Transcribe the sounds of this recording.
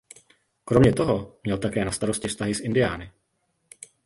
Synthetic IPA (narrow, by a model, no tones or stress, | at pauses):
kɾo̞mɲɛt̪o̞ɦo̞mɲɛlt̪akɛːnast̪aɾo̞scɪfst̪aɦɪsʔɪndɪja̰ːnɪ